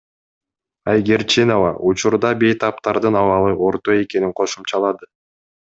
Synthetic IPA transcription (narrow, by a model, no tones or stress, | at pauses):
ɑjɡʲeɾt͡ʃino̞vɑʔut͡ʃuɾd̪ɑbe̞jt̪ɑp̚t̪ɑɾd̪ɯnɑvɑlˠɯʔo̞ɾt̪o̞e̞ke̞niŋqʰo̞ʃumt͡ʃɑlˠɑd̪ɯ